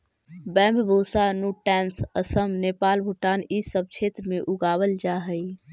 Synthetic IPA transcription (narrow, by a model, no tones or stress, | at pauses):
bɛ̃ːmbbʱosanuʈɛːnsəsəmnepaːlbʱuʈaːnisəb̚t͡ʃʰet̪ɾəmẽʔuɡaːwəld͡ʒaɦəj